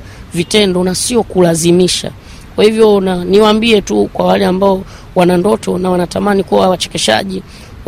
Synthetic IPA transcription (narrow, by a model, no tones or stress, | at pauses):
vitɛndɔnasiɔkulazimiʃa̰ | kwahivjɔnaniwambiɛtukwawalɛambaɔ | wanandɔtɔnawanatamanikuwawat͡ʃɛ̥kɛʃa̰ʄi